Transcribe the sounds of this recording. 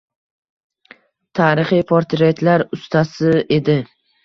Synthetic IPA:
t̪ʰaːɾɪχijpʰoɾt̪ɾet̪ʰlaɾʊst̪ʰasɪe̞d̪ɪ

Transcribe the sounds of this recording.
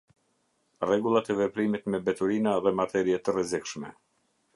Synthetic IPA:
rɛɡulˠat̪ɛvɛpɾimit̪mɛbɛt̪uɾinaðɛmat̪ɛɾiɛt̪ərɛzikʃmɛ

